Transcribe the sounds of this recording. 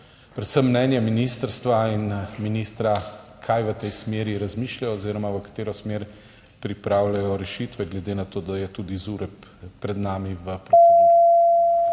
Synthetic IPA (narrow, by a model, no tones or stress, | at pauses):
pɾɛt̪səmːnɛnjaminist̪əɾst̪ʋainminiːst̪ɾakʰajʋət̪ɛjsmeːɾiɾazmiʃlajɔːziːɾɔmaʋəkḁt̪eːɾɔsmeɾ | pɾipɾaːwlajɔɾɛʃit̪ʋɛɡlɛd̪eːnat̪oːd̪ajɛt̪ud̪izuɾɛpːɾɛd̪naːmiʋəpɾɔt͡s̪ɛs